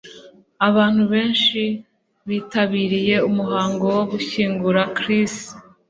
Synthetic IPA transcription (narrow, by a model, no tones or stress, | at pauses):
aβaːn̥huβe̞ːnʃi | βiːtaβiːɾije̞umuɦaːŋɡo̞woɡuçiːŋɡuɾakɾis